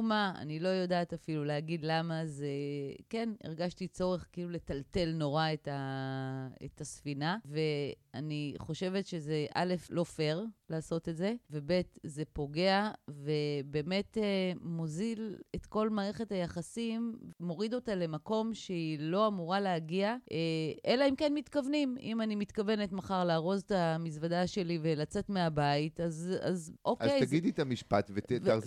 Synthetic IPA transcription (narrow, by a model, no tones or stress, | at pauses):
maa̰nilo̞jodaːtafiluleaɡidlamazeke̞nḛʁɡaʃtit͡so̞ʁe̞χkiilule̞talte̞lno̞ʁaeta | ḛtasfinave̞aniχo̞ʃe̞ve̞tʃe̞zeʔa̰le̞flo̞fe̞ʁlaːso̞tetze̞ve̞be̞tze̞po̞ɡe̞avebe̞ːme̞temo̞ziletko̞lmaːʁe̞χe̞thajaχasimːo̞ʁido̞tale̞mako̞mʃeilo̞amuʁaleaɡiaʔeʔelaimkenmitkavnimḭmanimit̪kave̞netmaχaʁlaːʁo̞ztamisvadaʃe̞livelat͡se̞tmeabaitaza̰zʔokazejaɡid̪it̪amiʃpatveteaʁ